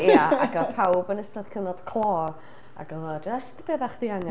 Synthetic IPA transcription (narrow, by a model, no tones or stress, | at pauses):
jaaɡɔpʰawbənəstaðkʰənɔd̥kʰl̥ˠɔːr | a̰ɡɔɔd͡ʒəstb̥eːbaχðiaŋa